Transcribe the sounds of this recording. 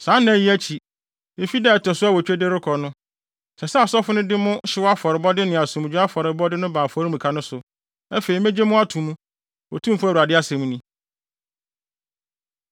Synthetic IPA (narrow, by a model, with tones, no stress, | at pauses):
sãː˨˦næ̃˨ji˦æ˦t͡ɕʰi˨ | e˨fi˦dɛ˦˨tʰɔ˨sʊ˦a˦wɔ˨t͡ɕᶣe˦de˦ɾɪ˦kʰɔ˨nʊ̃˦ | sɛ˨sɛ˦a˨sɔ˦fʊ˦nʊ̃˦dɪ˦mʊ̃˦ɕɪ˦wa˦fɔ˨ɾɪ˨bɔ˦dɪ˦nɪ̃˨a˨sũ˨m˨d͡ʑᶣu˦a˦fɔ˨ɾɪ˨bɔ˦dɪ˦nʊ̃˦bãː˨fɔ˨˦ɾi˦mũ˨kʰa˦nʊ̃˦sʊ˨ | ɛ˦fe˨i˨mɛ̃˦d͡ʑe˦mʊ̃˦a˦tʰũ˨m̃˦ | wɔ˨tʰũ˦m˦fʊ˦˨u˨a˨dɪ˦a˦sɛ̃˨mũ˦nĩ˦